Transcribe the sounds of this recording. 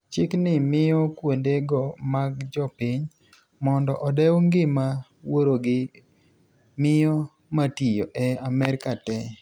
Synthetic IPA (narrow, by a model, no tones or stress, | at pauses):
t͡ʃɪknɪmɪjɔkwondeɡɔmaɡd͡ʒɔpɪɲ | mɔndɔʔɔdɛwŋɡɪma | woɾoɡɪ | mɪjɔ | matijoʔɛamɛɾkatɛ